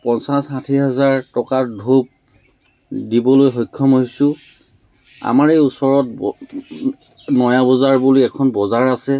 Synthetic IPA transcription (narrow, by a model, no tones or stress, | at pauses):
pɔnsasxatʰiɦɛzaɹtɔkadʱob̚ | dibɔlojxɔjkʰːɔmɦoɦisʊ̃ | a̰maɹejusɔɹɔt̚ | nɔjabɔzaɹbuliɛkʰɔnbɔzaɹasɛ